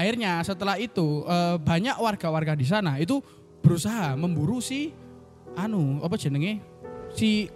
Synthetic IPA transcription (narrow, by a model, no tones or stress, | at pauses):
aɪrɲasət̪əlahit̪uʔəːbaɲakwarɡ̥awarɡadis̬anait̪̬u | b̥əɾusaɦaməmbuɾusɪh | anuapə̥d͡ʒ̥ə̤nəŋesih